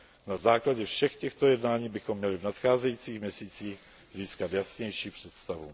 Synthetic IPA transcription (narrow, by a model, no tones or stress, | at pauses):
nazaːklaɟɛfʃɛxcɛxt̪o̞jɛdnaːɲiːbɪxo̞mːɲɛlɪvnat̪xaːzɛjit͡siːxmɲɛsiːt͡siːx | ziːskat̪jasɲɛjʃiːpr̝̥ɛt̪st̪avṵ